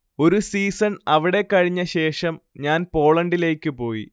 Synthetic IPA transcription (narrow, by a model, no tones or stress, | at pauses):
o̞ɾusiːsɐnɐʋiɽe̞kːɐɻiɲːɐɕe̞ːʂɐmɲaːnpo̞ːɭɐɳɖile̞ːkʲːɨpo̞ːjḭ